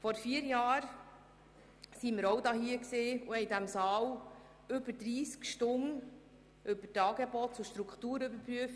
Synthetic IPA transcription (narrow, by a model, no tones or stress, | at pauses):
fɔɾfiːəɾjɑːɾ | siməɾɔwdɑːɦiːəkseːuhɛɪidæmsɑːw | ʏbəd̥ɾiːskʃtʊn | ʔʏbətɑːɡebɔtt͡sʊʃtɾukʰtuːɾʏbəɾpɾyəf